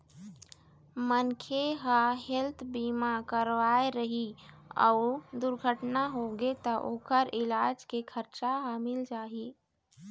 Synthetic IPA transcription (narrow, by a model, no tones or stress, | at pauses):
mənkʰeɦəɦelt̪ʰbimakəɾʋaeɾəɦiɔ̰ʊd̪uɾɡʱəʈnaɦoɡet̪əʔoːkəɾɪlad͡ʒkekʰəɾt͡ʃaɦəmɪld͡ʒaːɦi